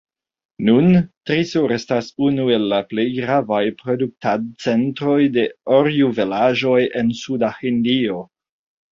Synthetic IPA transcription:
nuntɾisoɾe̞stasunue̞lːaple̞jɡɾavajpɾo̞duk̚tadt͡se̞ntɾo̞jde̞oɾjuvelaʒo̞je̞nsudahindio̞

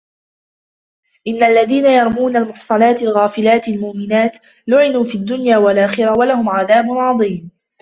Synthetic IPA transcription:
ʔɪnːaʔlːaðiːnajɑɾˤmuːnalmʊħsˤɑlɑːt̪ɪlɣaːfɪlaːt̪almʊʔmɪnaːt̪ | lʊʕɪnuːfiːad̪ːʊnjaːwalʔaːxɪɾawalahʊmʕaðaːbʊnʕɑðˤiːm

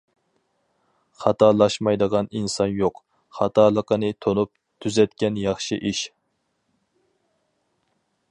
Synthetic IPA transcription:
χɑt̪ɑlˠɑʃmɑjd̪əʁɑninsɑnjoq | χɑt̪ʰɑlˠəqʰənɨt̪ʰonup̚ | t̪ʰyzɛt̪kʲɛnjɑχʃiʔiʃ

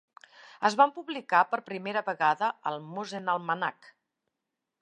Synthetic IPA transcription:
əzβampuβlikapəɾpɾimeɾəβəɣaðəəlˠmuzenəlˠməna̰k

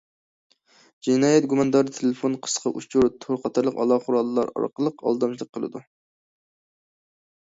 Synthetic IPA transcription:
d͡ʒinɑːjɛt̪̚ɡumɑnɨd̪ɑɾɨt̪ʰelefonqʰə̥sqʰɑʔut͡ʃʰuɾt̪ʰoɾqʰɑt̪ʰɑɾlˠəqɑ̰lˠɑqʰʊɾɑlˠːɑɾɑ̰ɾqəlˠəqɑ̰lˠd̪ɑmt͡ʃʰlˠəqʰːəlˠɨ̰d̪u

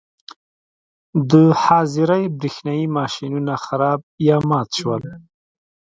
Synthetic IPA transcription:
d̪əhɑzɪɾajbɾixnɑjimɑʃinunaxaɾɑb̚ | jɑmɑt̪ʃwəl

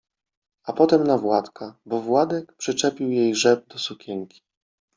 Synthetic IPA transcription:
apɔt̪ɛmnavwat̪kabɔvwad̪ɛkpʂɘt͡ʂɛpʲiwjejʐɛb̚d̪ɔsukʲɛŋkʲi̥

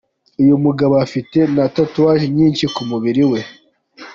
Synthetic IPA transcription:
ujomuɡaβaafite̞natatuwaʒimɲiːnʃikumuβiɾiwe̞

